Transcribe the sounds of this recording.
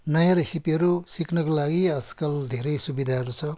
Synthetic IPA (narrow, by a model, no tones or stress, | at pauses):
nʌjãɾʌsipiʌɾusikʰnʌkolaɡiʌd͡zkʌld̪ʱeɾʌjsubid̪ʱaɦʌɾut͡sʰʌ